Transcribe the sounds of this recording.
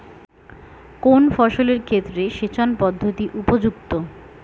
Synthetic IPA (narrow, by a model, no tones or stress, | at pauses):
konfɔʃoleɾkʰet̪ːɾeʃet͡ɕʰanpɔd̪ʱːot̪iʔupod͡ʑukt̪o